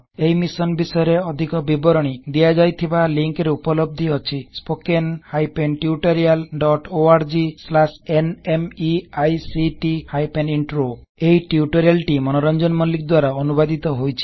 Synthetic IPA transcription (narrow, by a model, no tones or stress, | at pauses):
ejmisɔnbisɔjɔɾeɔd̪ʱikɔbibɔɾɔɽ̃id̪iad͡ʒajt̪ʰibaliŋkɾeupɔlɔb̚d̪ʱiɔt͡ʃʰispokenhajpenʈjuʈɔɾialɖɔʈoaɾd͡ʒislasenemiajsiʈihajpeniɳʈɾo | eiʈjuʈɔɾialʈimɔnɔɾɔnd͡ʒɔnmɔlik̚d̪waɾaɔnubad̪it̪ɔɦojt͡ʃʰi̥